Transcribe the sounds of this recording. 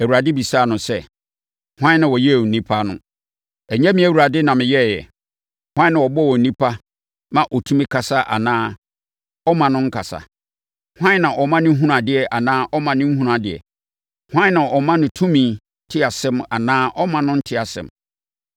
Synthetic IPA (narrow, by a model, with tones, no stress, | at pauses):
æ˨wu˨ɾa˨dɪ˦bi˨sa˦˨nʊ̃˨sɛ˦ | hʷwã˦nã˨wɔ˨jɛ˦˨n̩˨nĩ˦pʰa˦nʊ̰̃˦ | æ˨ɲɛ̃˦mĩ˦æ˦wu˨ɾa˨dɪ˦nã˨mɪ̃˨jɛ˦˨jɛ̰˨ | hwã˦nã˨wɔ˨bɔ˦wɔ˨n̩˨nĩ˦pʰa˦ | mã˨ʔɔ˨tʰũ˦mĩ˦kʰa˨sa˦ʔa̰˨nãː˦ | ɔ˦mã˨nʊ̃˦ŋ̩˦kʰa˨sa̰˨ | hʷã˦nã˨ʔɔ˨mã˦nʊ̃˦ɦũ˦ɾã˨dɪ˨ɛ˨ʔa˨nãː˦ʔɔ˦mã˨nʊ̃˦m̩˦ɦu˦ɾã˨dɪ˨ɛ̰˨ | hã˦n˦nã˨ʔɔ˨mã˦nʊ̃˨tʰũ˦mĩ˨ | tʰɪ˦a˨sɪ̃˦ma˨nãː˦ʔɔ˦mã˨nʊ̃˦n̩˦tʰɪ˦a˨sɪ̰̃˨m